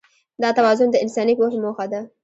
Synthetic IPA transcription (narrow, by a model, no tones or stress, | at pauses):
d̪ɑt̪awɑzʊnd̪əɪnsɑnipoʃmoxad̪a